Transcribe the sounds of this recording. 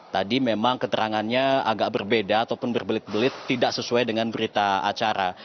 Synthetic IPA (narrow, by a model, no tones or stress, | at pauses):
t̪adimemaŋkət̪əɾaŋanɲaa̰ɡaʔ̚bərbedaːt̪awpʊnbərbəlɪt̪̚bəlɪt̪ːidaksəsuajdəŋanbəɾit̪aa̰t͡ʃaɾa̰